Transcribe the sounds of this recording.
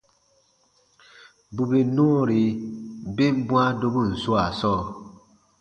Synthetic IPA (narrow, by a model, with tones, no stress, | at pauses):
bu˨be˨nu˦˨ɾi˨be˦m˦bũ˦a˦do˦bu˦˨n̩˨su˦a˨sɔː˦˨